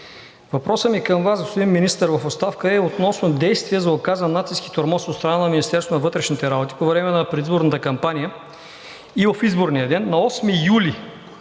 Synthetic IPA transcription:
vɐpɾɔsəmikəmvasɡost̪d̪imminist̪əɾvɐfost̪afkəɛot̪nɔsnod̪ɛjst̪vijɛzɐokazənːat̪siski̥t̪oɾmɔsot̪st̪ɾɐnanɐminist̪ɛɾst̪onɐvɤt̪ɾɛʃnit̪ɛɾabot̪i̥povɾɛmɛnɐpɾɛd̪izboɾnət̪əkɐmpanijə | ivɐfizboɾniəd̪ɛnːɐɔsmijuli

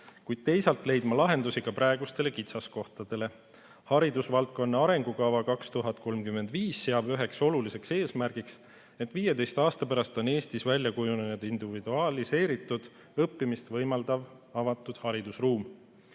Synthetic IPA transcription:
kujd̪̥̚t̪e̞jsɑlt̪ˑle̞jd̪̥mɑlɑɦe̞nd̪usiɡ̥ɑpɾɑe̞ɡust̪e̞le̞kit̪sɑsko̞ht̪ɑd̪̥e̞le̞ | hɑɾid̪usvɑlt̪̚ko̞nːeɑɾe̞ŋɡ̥ukɑvɑkɑkst̪uɦɑt̪̚ko̞lmkyme̞nd̪̥viːsːe̞ɑbyɦe̞kso̞lulise̞kseːsmærɡ̥iks | e̞t̪ːˑviːjed̪e̞jst̪ɑːst̪ɑpæɾɑst̪o̞ne̞ːst̪isvælʲjɑkujununed̪̥ind̪̥ivid̪̥uɑlise̞ːɾit̪ːˑud̪̥ | ɤpːimist̪vɤjmɑld̪̥ɑv | ɑvɑt̪ːˑud̪̥hɑɾid̪̥usruːm

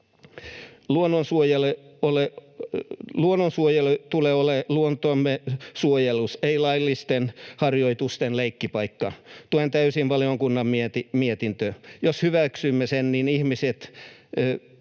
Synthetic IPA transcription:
luonːonsuojeleole | luonːonsuojelut̪uleoleluont̪oɑmːesuojeluseilɑilːist̪enhɑrjoit̪ust̪enleikːipɑikːɑt̪uoent̪æysinʋɑlioŋkunːɑmmiet̪imiet̪int̪øjoshyʋæksymːesenninihmiset̪ː

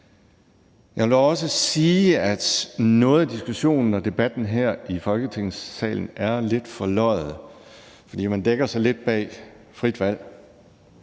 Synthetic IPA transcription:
jɑ̈ɪʋelɒ̽səsiːæd̥nɔ̽ːð̩ˠd̥isɡ̥uɕo̝̰ːnn̩ɒ̽d̥e̝b̥æd̥n̩ɦeɐ̰ifɒ̽lɡ̥ət͡sʰe̝ŋ̰sːɛ̰ːln̩æɐle̝d̥fɒ̽lɒ̰̽ɪð̩ˠ | fɒ̽d̥ḭːmænd̥eɡ̥ɐsɑ̈ɪle̝d̥̚b̥ɛ̰ː | fʁid̥ʋæl̰

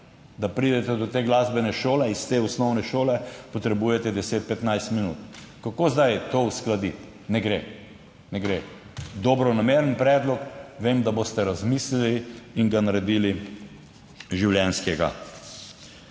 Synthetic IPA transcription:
d̪apɾid̪ɛt̪ɛd̪ɔt̪eːɡlazbɛnɛʃoːlɛist̪eːusnɔwnɛʃoːlɛpɔt̪ɾɛbuːjɛt̪ɛd̪ɛseːt̪̚pɛt̪najst̪minṵːt̪ | kakoːzd̪ajt̪owsklad̪i | nɛɡɾe | nɛɡɾe | d̪ɔbɾɔnameɾənpɾɛːd̪lɔkʋemd̪aboːst̪ɛɾazmisliliiŋɡanaɾɛd̪iːli | ʒiwljɛnskɛɡa̰

